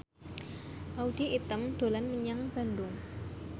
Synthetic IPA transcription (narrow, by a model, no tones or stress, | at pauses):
ʔaudiʔit̪əmd̪̥o̤lanməɲaŋb̥a̤nd̪ʊŋ